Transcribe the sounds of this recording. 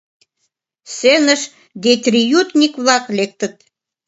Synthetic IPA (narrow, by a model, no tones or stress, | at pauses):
senəʃ | d̪et̪ʲrʲijut̪nʲikβlɑklek̚t̪ə̆t̪̚